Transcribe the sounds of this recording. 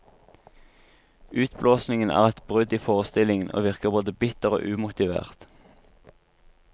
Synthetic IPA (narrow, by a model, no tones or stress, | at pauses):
ʉːt̪bloːsnɪŋənæ̰ːʁɛt̪bʁʉd̪iːfoːʁəst̪ɪlɪŋənʔo̰ːʋɪʁkəʁboːd̪əbɪt̪əʁo̰ːʔʉːmʊt̪ɪʋḛːʁt̪